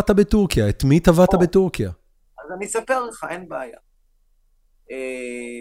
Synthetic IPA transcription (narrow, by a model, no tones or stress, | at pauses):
t̪abetuʁkijaet̪mit̪avat̪abet̪uʁkija | azanisapeʁleχae̞nbeaja | e